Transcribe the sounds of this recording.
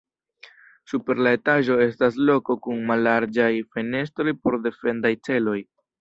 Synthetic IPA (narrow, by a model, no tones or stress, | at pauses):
supe̞ɾlae̞taʒo̞e̞staslo̞ko̞kunmalːaɾd͡ʒajfe̞ne̞s̬tɾo̞jpo̞ɾde̞fe̞ndajt͡se̞lo̞j